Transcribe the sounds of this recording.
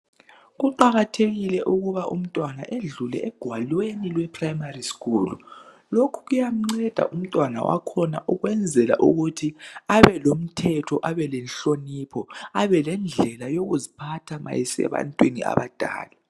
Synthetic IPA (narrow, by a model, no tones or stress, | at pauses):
ɣuǃaɣatʰeɣilɛʔuɣuβaʔṵm̩tʼwana̰ʔeɮulɛ̰ʔɛɡ̥ʱwalwenilwɛpʰrajmariskʼuːlṵ | lokʰu̥ɣujam̩ŋ͡ǀɛd̥ʱa̰ʔum̩tʼwana̰wa̰kʰɔna̰ʔuɣwɛnd͡zʱɛla̰ʔṵɣutʰiaβɛlom̩tʰɛtʰɔʔaβɛlɛnɬoniːpʰɔaβɛlɛnd͡ɮʱɛlajoɣuzipʰatʰama̰jisɛ̰βa̰ntʼwinia̰βa̰d̥ʱa̰ːlɛ